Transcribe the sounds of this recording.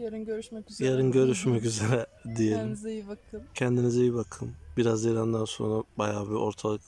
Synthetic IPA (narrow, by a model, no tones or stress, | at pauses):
øɾjaɾinɟø̞ɾyʃmɛcyze̞ɾɛd̪ijelʲim | cʰɛnd̪inizɛjibakʰɯmbiɾazjiɾand̪anso̞̰nɾabajaːbio̞ɾt̪ʰalˠɯk